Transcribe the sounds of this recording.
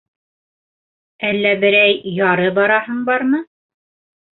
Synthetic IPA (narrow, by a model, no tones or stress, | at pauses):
ælːæbɘ̆ɾæjjɑɾɤbɑɾɑɦɤɴbɑɾmɤ